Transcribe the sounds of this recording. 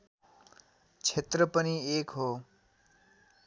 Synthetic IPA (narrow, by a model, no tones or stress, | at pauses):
t͡sʰet̪ɾəpʌniekɦo